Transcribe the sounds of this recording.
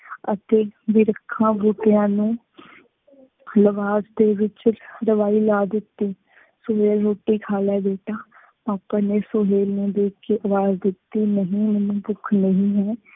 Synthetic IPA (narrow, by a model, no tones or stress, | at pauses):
ə̰t̪eːʋɪɾəkʰːãːbuːʈejãːnũː | ləʋaːzd̪eːʋɪt͡ʃɾəʋaːiːlaːd̪ɪt̪ːiː | soɦeːlɾoːʈiːkʰaːlɛːbeːʈaː | paːpaːneːsoɦeːlnẽːd̪eːkːeʔəʋaːzd̪ɪt̪ːiːnəɦĩːmɛːnũːbʊkʰnəɦĩːɦɛ̃ː